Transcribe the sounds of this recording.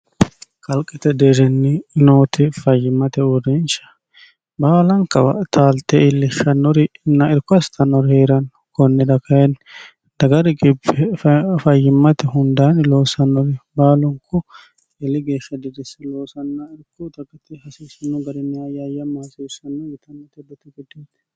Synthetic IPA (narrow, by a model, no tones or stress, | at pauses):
kʼɐlkʼɪt̪ɛd̪eːɾɛnːɪnoːt̪ɪfɐjːɪmːɐt̪ɛʊɾɛnʃɐ̥ | baːlɐŋkɐ̰bɐ̰t̪ʰaːlt̪ɛɪlːɪʃːɐnːɔɾɪnːɐɪɾkːʊɐst̪ʰɐnːɔɾheːɾɐn | kɔnːɛd̪ɐkʰɐjɛn | d̪̥ɐɡɐɾɪɡɪbːɛfɐjːɪmːɐt̪ɛɦʊnd̪aːnloːsɐnːɔɾɪbaːlʊŋkʰʊ | ɪlːɪɡeːʃːɐd̪ɪd̪ɪsɛlo̞ːsɐnːɐɪɾkːʊt̪ɐɡʼɪt̪ɪhɐsɪsɐnːɔɡɐd̪ɪnːɪɐjajɐmaːsɪsɐnːɔjɪt̪ʰɐnːɔt̪ɛd̪ɛt̪ɪɡɔd̪eːt̪